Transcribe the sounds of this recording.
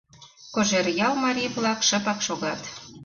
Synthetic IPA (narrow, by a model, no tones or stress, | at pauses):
koʒerjɑlmɑɾʲijβlɑkʃə̆pɑkʃoɣɑt̪